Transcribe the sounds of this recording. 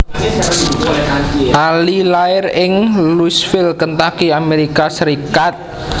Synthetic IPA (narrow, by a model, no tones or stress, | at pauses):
ʔalilaɪrɪŋlusfɪlkənt̪akiameɾikasəɾikat̪̚